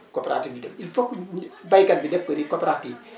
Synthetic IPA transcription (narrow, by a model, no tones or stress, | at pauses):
kopeɾa̰tiːfd͡ʒudɛfilfokːbajkɐlbidɛfkoɾikoːpeɾatiːf